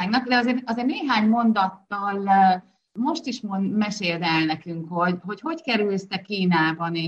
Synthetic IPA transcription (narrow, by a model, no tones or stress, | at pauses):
aɡnɒkd̪ɛɒzeːrɒzeːrneːɦaːɲmo̞nd̪ɒt̪ːɒl | mo̞ʃt̪iʃmonmɛʃeːld̪ɛlnɛkyŋkho̞ɟɦo̞cho̞ckɛɾylst̪ɛkiːnaːbɒneː